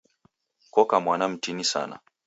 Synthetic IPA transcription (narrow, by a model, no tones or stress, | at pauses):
kɔkamwanam̩tinisa̰na̰